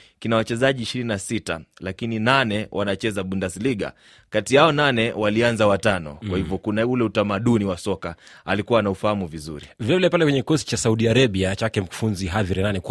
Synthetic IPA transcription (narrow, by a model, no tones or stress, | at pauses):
kinawat͡ʃɛzaʄiːʃiɾininasita̰lakininanɛwanat͡ʃɛzaɓundasiliɠa̰ | katiaɔnanɛwalianzawatanɔ̰kwahivjɔkunaulɛutamaɗuniwasɔkaalikuwanaufahamuvizṵɾḭvɛvɛlɛpalɛkwɛɲɛkikɔsi̥t͡ʃasauɗiaɾaɓiat͡ʃakɛm̩ku̥funziɦaviɾɛnanɛk